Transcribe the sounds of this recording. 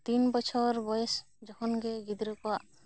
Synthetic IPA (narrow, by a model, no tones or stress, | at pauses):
t̪inbɔt͡ʃʰɔɾbɔjɛs | d͡ʒɔhɔnɡɛɡid̪ɾɔkɔwaʔ